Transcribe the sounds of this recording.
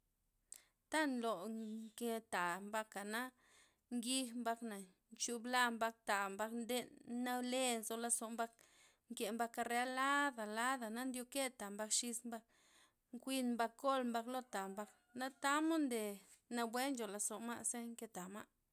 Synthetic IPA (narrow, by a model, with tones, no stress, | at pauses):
t̪a˦nlo˨ke˧t̪a˨mba˧ka˨na˦ | ŋɡi˧xmba˧kna˨ | nt͡ʃu˧bla˧mba˧k̚t̪a˨mba˧knd̪e˧nna˦le˧nzo˧la˧so˨mba˧k̚ | ŋke˨mba˧ka˧ɾe˧a˦la˦d̪a˨la˦d̪a˨na˦nd̪jo˧ke˦t̪a˨mba˧kʃi˧smba˧k̚ | ŋkʷi˧nmba˧ko˦˨lmba˧klo˦t̪a˨mba˧k | na˦t̪a˦mo˦nd̪e˨ | na˧bwe˦nd͡ʒo˨la˧so˨ma̰˦ʔse˦ŋke˧t̪a˨ma̰˦ʔ